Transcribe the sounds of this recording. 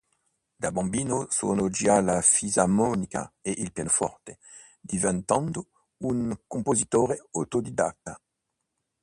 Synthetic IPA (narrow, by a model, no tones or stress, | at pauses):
d̪abɑ̃mbiːnoso̰nod͡ʒialafizamɔnika̰eʔilpjanofɔ̰ʁt̪e | d̪ivɛ̃nt̪ãnd̪o | uŋkõmpozit̪oːɾeot̪od̪id̪ak̚t̪ːa